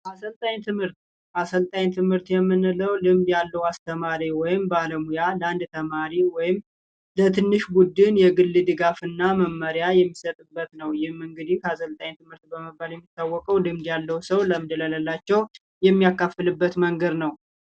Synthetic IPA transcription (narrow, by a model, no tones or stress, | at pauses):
ʔasəlt̪ʼaɲt̪ʰɨmhɨɾt̪ | ʔasəlt̪ʼaɲt̪ʰɨmhɨɾt̪jɛmːɨnɨləwlɨmd̪jalːəwast̪ʰəmaɾiwɔjɪmbaləmujaland̪t̪ʰəmaɾiwɔjɪm | lət̪ʰɨnːɨʃbud̪ɨnjɛɡɨlːɨd̪ɨɡafɨnːaməmːəɾjajɛmːisət̪ʼɨbːət̪nəwjɪhmɨŋɡɨd̪ihasəlt̪ʼaɲt̪ʰɨmhɨɾt̪bəməbaljɛmːit̪ʰːawːɔkʼəwlɨmd̪jalːəwsəwləmɨnd̪ələləlːat͡ʃːɛw | jɛmːijakːafɨlɨbːət̪məŋɡəd̪nəw